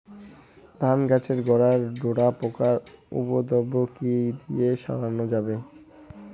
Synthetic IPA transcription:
d̪ʱanɡɛt͡ɕeɾɡɔɽaɾɖoɽapokaɾṵpod̪obːokid̪ieʃa̰ɾaɾnod͡ʑabe

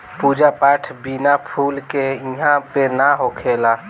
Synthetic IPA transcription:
puːd͡ʒapaːʈʰbinapʰuːlkeɪɦãpenaɦokʰeːlaː

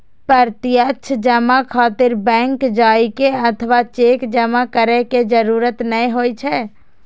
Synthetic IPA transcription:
pəɾt̪ijətːt͡ʃʰd͡ʒəmãkʰaːt̪ɪɾbɛ̃ːŋkd͡ʒaːikeɐt̪ʰəʋat͡ʃeːkd͡ʒəmãkəɾeked͡ʒəɾuːɾət̪nəĩɦoːit͡ʃʰɛː

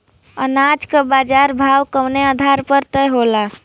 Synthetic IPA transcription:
ə̰nad͡ʒkəbad͡ʒaɾbʱawkəmneəd̪ʱaɾpəɾt̪əjɦola

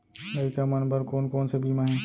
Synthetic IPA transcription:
mɐkamɐnbəɾkoːnkoːnsebʱiːmãɦɛ̃ː

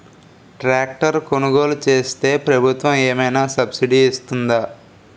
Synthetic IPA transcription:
ʈɾaːk̚ʈɐɾkonuɡo̞ːlut͡ʃe̞ːst̪e̞ːpɾɐbʱut̪ʋɐmeːmɐjnaːsɐbsiɖiːst̪und̪a

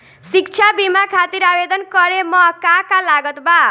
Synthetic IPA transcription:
sikt͡ʃʰabimakʰat̪iɾabed̪ʌnkʌɾemʌkakalaɡʌt̪ba

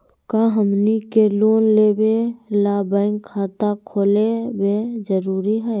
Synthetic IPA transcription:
kaɦəmnikeloːnleːbelaːbãːɪŋkʰːaːt̪akʰoːlebed͡ʒəɾuːɾiɦɛː

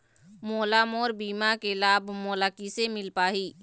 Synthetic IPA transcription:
moːlamoːɾbiːmakelaːbʱmoːlakisemɪlpaːɦiː

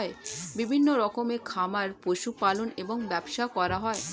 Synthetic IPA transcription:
ebibʱinːoɾɔkomekʰamaɾpoʃupaloneboŋbɛbʃakɔɾaɦɔe

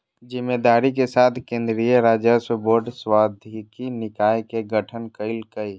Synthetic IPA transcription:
d͡ʒɪmːed̪aːɾikesaːt̪ʰkẽːnd̪ɾijəɾaːd͡ʒəsəboːɾɖswaːd̪ʱikinɪkaːjkeɡəʈʰənkəlkəi

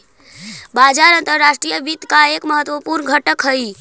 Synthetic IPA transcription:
bad͡ʒaɾənt̪əɾːaʃʈɾijəbit̪kaekməɦət̪ʋəpuɾnɡʱəʈəkɦəj

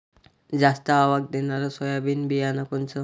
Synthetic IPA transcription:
d͡zast̪aːʋaɡ̚d̪enaɾasɔjabinbijanakont͡sə

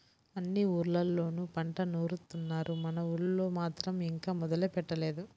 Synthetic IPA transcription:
ɐnːiuːɾlɐlːo̞ːnupɐɳʈɐnoːɾut̪ːunːaːɾʔumɐnɐuɭlo̞ːmaːt̪ɾɐmiŋkaːmɔd̪ɐlɐpɛʈːɐle̞ːd̪u

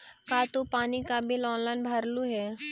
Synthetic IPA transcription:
kaːt̪opaːnikabɪlɔ̃ːnlaɪnbʱɐɾluɦɛː

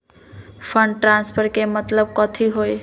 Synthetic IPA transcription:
pʰəɳɖʈɾanspʰəɾkemət̪ləb̚kɔt̪ʰiɦoj

